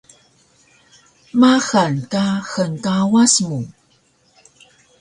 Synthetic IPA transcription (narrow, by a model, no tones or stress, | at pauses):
maxankaxənkawasmu